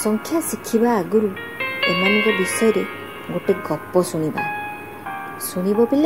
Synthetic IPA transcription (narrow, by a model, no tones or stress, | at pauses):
sɔŋkʰjasikʰibaːɡuɾu | emanɔŋkɔbisɔjɔɾe | ɡoʈeɡɔpːɔsuñiba̰ | suɽ̃ibɔpile